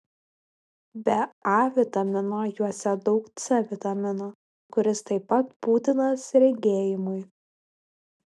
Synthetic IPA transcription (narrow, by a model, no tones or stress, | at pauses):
bʲɛɑʋʲɪt̪ɐmʲɪnɐjuɔsʲɛd̪ɒʊkt̪sʲɛʋʲɪt̪ɐmʲɪno | kʊɾʲɪst̪ɐɪpːɐt̪̚puːt̪ʲɪnɐsɾʲɛɡʲeːjɪmʊɪ